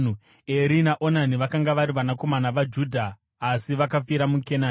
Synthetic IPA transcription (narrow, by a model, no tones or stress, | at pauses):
eɾinaʔo̞naniʋakaŋɡaʋaɾiʋanako̞manaʋad͡ʒudʱaː | siʋakafiɾamukena